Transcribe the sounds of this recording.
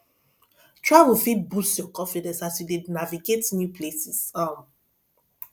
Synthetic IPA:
tʰɹaɪwifibusjɔkɔ̃nfidɛ̃nsasjudidnaviɡetnjupʰlesisɔ̃m

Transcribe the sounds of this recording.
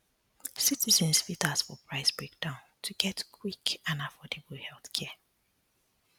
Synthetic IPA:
sitizə̃nsfitasfɔpʰɹaɪsbɹek̚d̥ãʊ̃ntʰuɡɛtkʰwikãnafɔdeblhɛlˠθkʰɛ

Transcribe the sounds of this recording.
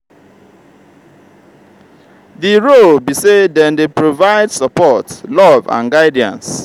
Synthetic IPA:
ðiɹolbisedɛ̃ndepɹovaɪdsɔpɔtlɔvã̰nɡaɪdiã̰ns

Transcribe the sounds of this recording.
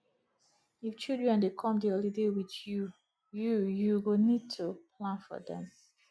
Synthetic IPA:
ift͡ʃidɹɛ̃ndekʰɔ̃mdiolidewiðju | jujuwunid̚tʰupʰlãnfɔ̰dɛ̰̃m

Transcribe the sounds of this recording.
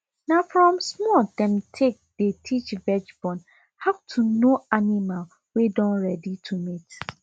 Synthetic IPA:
nãfɹɔ̃msmɔldɛ̃mtʰek̚d̥etʰit͡ʃbɛd͡ʒbɔ̃n | havtʰunoanimal | wedɔ̃nɹɛditʰumit

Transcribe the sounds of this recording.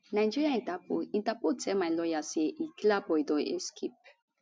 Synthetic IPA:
najd͡ʒiɹiaĩtapoĩntapotʰɛmajlɔjasieʔiklabɔidɔḛskʰep̚

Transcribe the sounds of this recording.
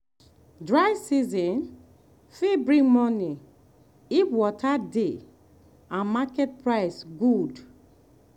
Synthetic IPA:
dɹaɪsizɔ̃n | fibɹĩŋmɔni | ifwɔtʰade | ãnmakɛt̚pɹaɪsɡud

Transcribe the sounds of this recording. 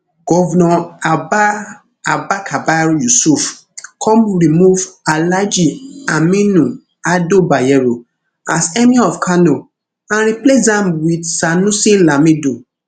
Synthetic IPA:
ɡ̥ɔvnɔ̃aba | abakʰabaɾjusuf | kʰɔ̃mɾimuvalad͡ʒiamĩnũ | adobajɛɾo | asɛmĩɔfkʰano | ãɾiplesdãmwidsanũsĩnlamĩdu

